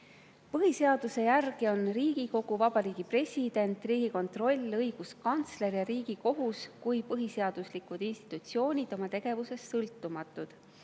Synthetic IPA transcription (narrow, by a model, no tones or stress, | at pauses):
pɤɦise̞ɑd̪̥use̞jærɡ̥io̞nriːɡ̥iko̞ɡ̥uvɑb̥ɑɾiːɡ̥ipre̞sʲid̪̥e̞nt̪ˑriːɡ̥iko̞nt̪ro̞lʲːɤjɡ̥uskɑnt̪sle̞ɾjɑɾiːɡ̥iko̞ɦuskujpɤɦise̞ɑd̪̥uslikud̪̥inst̪i̥t̪ːˑut̪sio̞ːnʲid̪̥o̞mɑt̪e̞ɡ̥e̞vuse̞sːɤlt̪ːumɑt̪ˑːud̪̥